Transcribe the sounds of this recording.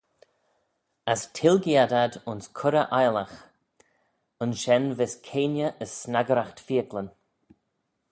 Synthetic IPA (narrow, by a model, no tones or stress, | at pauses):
astʰɪlɡiadadʊnskʰʊɾəʔajlax | ənʃɛnvɪskʰeːnjəʔəsːnaɡəɾaxtfiːəklən